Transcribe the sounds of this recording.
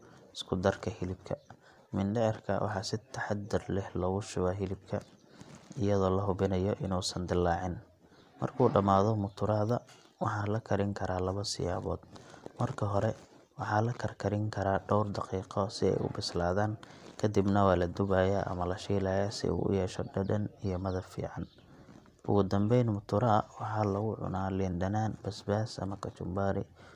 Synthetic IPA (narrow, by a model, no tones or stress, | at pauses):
ɪskʰʊd̪ɐrkʰɐhɪlɪb̚kʰɐ | mɪndɛrkʰɐ̰wʔɑ̰ħɑːsɪt̪ʰɐħɑd̪ɪrlɪħlɔːɣʊʃʊβɐɦɪlɪb̚kʰɐ | ɪjɐðɔːlɐɦʊβɪnɐjɔʔɪnuːsɐnd̪ɪlːɑːʕɪn | mɐ̰rkʰuːɖɐmaːðɔmʊt̪ʰʊɾaːðɐ | wɑħɑːlɐkʰɐɾɪŋkʰɐɾaːlɐβɐsɪ̰ja̰ːβɔ̰ːd̪mɐrkʰɐɦɔɾɛ | wɑħɑːlɐkʰɐrkʰɐɾɪŋkʰɐɾaːɖɔwrd̪ɑqiːqɔsɪɛ̰jʊ̰bɪslaːðaːŋkʰɐd̪ɪbnɐwɑːlɐd̪ʊβaːjaʔɐ̰mɐlɐʃiːlɐːjasɪ̰ʔṵːʊ̰jɛːʃɔɖɐdɐnijɔmɐðɐfḭːʕɑn | ʔʊ̰ɣʊd̪ɐmbɛjnmʊt̪ʰʊɾɐɐwɑħɑːlɐɣʊʕʊ̰naːlɪnɖɐnaːnbɐsbaːsɐ̰mɐkʰɐt͡ʃʊmbaːɾɪ̰